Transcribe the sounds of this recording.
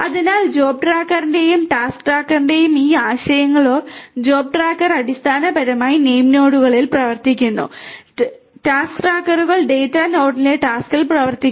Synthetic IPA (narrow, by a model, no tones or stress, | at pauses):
ɐðinaːld͡ʑo̞ːb̚ʈraːkːɐrinde̞jumʈaːskʈraːkːɐrnde̞jumiːaːɕɐjɐŋːɐɭo̞ːd͡ʑo̞ːb̚ʈraːkːɐrɐɽist̪ʰaːnɐbɐɾɐmaːjine̞jmno̞ːɽuɣɐɭilprɐʋɐrt̪ikʲːunːṵ | ʈaːskʈraːkːɐruɣɐɭɖe̞ːtːano̞ːɽileʈaːskilprɐʋɐrt̪ikː